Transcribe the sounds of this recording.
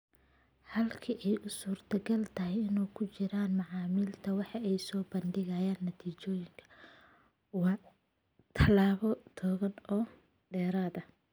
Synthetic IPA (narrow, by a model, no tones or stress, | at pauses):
hɐlkʰiʔɛjʔʊsuːrt̪ʰɐɡɐlt̪ʰɐɦɛjɪnuːkʰʊt͡ʃɪɾaːnmɑʕɑːmɪlt̪ʰɐwɑħɑɛjsɔːbɐndɪɣɐjaːnːɐt̪ʰiːt͡ʃɔːjɪŋkʰɐ̥ | wɑː | t̪ʰɐlaːβɔt̪ʰɔːɣɐnɔː | ɖɛːɾaːðɐ